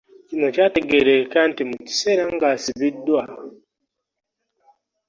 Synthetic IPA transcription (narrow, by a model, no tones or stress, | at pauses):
cino̞caːteɡeɾekaːntimuci̥seɾaŋɡasiβidwa